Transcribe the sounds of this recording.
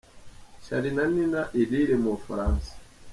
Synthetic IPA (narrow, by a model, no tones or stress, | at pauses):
ʃa̰ɾinaninaʔiliɾɛmofa̰ɾansḁ